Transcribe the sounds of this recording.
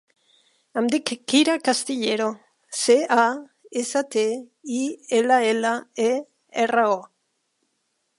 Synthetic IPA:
amd̪ikːiɾakast̪iʎeɾo | sea | esat̪eielaelae | erao

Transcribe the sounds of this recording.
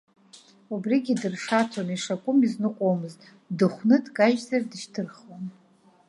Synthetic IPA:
ubriɡʲidɨrʂat͡sʰaniʂakʷʼʊmiznɨqʷʼowmɨztʼ | dɨχʷnɨdkʼaʒzardɨʃtʰɨrχwan

